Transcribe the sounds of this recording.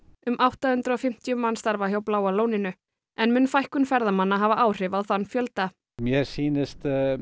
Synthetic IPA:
ʏmawht̪ahʏnt̪ɾɔfɪm̥t̪jʏmanst̪aɾvahjawplaːwaloːwnɪnʏ | ɛnmʏnfajhkʏnfɛɾðamanːaɦavaʔaːwr̥ɪvaðθanːfjœlt̪a | mjɛɾsiːnɪst̪

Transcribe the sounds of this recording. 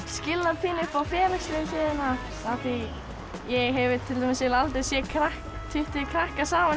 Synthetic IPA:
scɪlːapʰiːnɪpawfjɛːlasɾɪðɪsɪðɪna | aθi | jɛɣɦɛvɪt̪ʰɪlt̪ʰɔmɪsɛlalt̪esjɛkʰɾahkt̪ʰɪht̪ɪkʰɾahkasaːman

